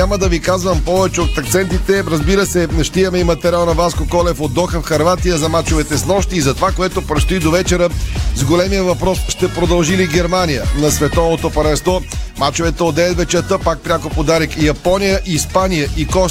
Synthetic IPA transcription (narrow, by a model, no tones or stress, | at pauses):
aməd̪ɐvikazvəmpɔvɛt͡ʃɛot̪ːɐkt̪sɛnt̪it̪ɛɾɐzbiɾəsɛʃt̪iəmɛimɐt̪ɛɾalˠnɐvaskokɔlɛfod̪ːɔxəfxɐɾvat̪ijəzɐmat͡ʃovɛt̪ɛsnˠɔʃt̪iːzɐt̪ovakoɛt̪opɾɛt̪st̪ʊid̪ovɛt͡ʃɛɾəzɡolɛmijəvɐpɾɔsʃt̪ɛpɾod̪ɐlˠʒiliɡɛɾmanijənɐsvɛt̪ɔvot̪opɐlɛ̃nst̪vɔmat͡ʃovɛt̪ɛod̪ɛɛt̪vɛt͡ʃɛɾt̪əpak̚pɾʲakopod̪aɾikjɐpɔnijəʔiːspanijəʔikɔ